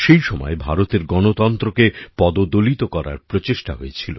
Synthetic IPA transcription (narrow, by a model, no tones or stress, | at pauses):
ʃejʃɔmɔ̰ebʱaɾot̪eɾɡɔnot̪ɔnt̪ɾokepɔd̪od̪olit̪okɔɾa̰ɾpɾot͡ɕeʃʈa̰ɦojet͡ɕʰilo̰